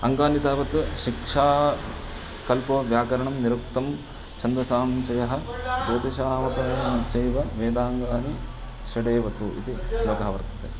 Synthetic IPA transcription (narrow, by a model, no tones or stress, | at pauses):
ɐŋɡaːnit̪aːʋɐt̪uʃikʂaː | kɐlpɐʋjaːkɐɾɐɳɐmniɾuk̚t̪ɐm | t͡ʃɐnd̪ɾɐsaːmt͡ʃɐjɐɦɐd͡ʒoːt̪iʃaːmɐp̪ɐɐt͡ʃɐjʋɐʋeːd̪aːŋɡaːni | ʃɐɖeːʋɐt̪uḭt̪isʋɐɡaɐʋɐɾt̪ɐ̥t̪ḛ